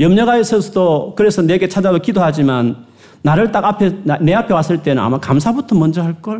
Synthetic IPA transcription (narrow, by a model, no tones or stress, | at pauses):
jʌmɲʌɡaesʰʌsʰʌdokɯɾe̞sʰʌne̞ɡe̞t͡ɕʰad͡ʑadokidoɦad͡ʑimanː | aɾɯɭt͈aɡapʰene̞apʰe̞was͈ɯɭt͈e̞nɯna̰makams̬ʰabutʰʌmʌnd͡ʑʌɦaɭk͈ʌɭ